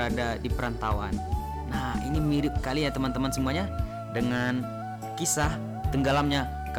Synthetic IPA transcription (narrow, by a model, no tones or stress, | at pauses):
adadipəɾant̪awanː | aḭnimiɾɪp̚kalijat̪əmant̪əmansəmuaɲa | dəŋan | kisah | t̪əŋɡalamɲa | k